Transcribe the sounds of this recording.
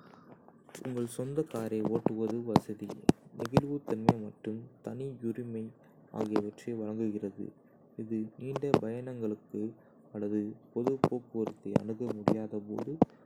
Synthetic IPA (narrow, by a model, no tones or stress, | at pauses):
ʊ̰ŋɡɐɭsɔnd̪ɐkaːɾɐɪoːʈːɯʋɐðɯʋɐsɐðɪ̰nɪɣɪlʋɯt̪ːɛnmɐɪmɐʈrɯmt̪ɐnijʊɾɪmɐɪ | a̰ːɣɪjɐʋɐʈrɐʋɐɻɐŋɡɯɣɪrɐðɯ̰ | ɪðɯniːɳɖɐbɐjɐnɐŋɡɐɭɯkːɯ | ɐlːɐðɯpɔðɯpoːkɯʋɐɾɯt̪ːeɐ̰ɳɯɣɐmʊɽɪjaːðɐpo̰ːðɯ